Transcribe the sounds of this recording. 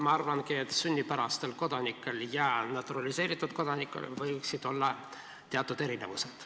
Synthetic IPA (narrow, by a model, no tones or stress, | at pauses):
mɑɑrvɑnkiet̪ːsynʲːipæɾɑst̪elko̞d̪̥ɑnikːˑe̞ljɑnɑt̪ːˑuɾɑlise̞ːɾit̪ːˑut̪̚ko̞d̪̥ɑnikːˑḛlvɤjksid̪̥o̞lːɑ | t̪eɑt̪ːˑud̪̥e̞ɾine̞vused̪̥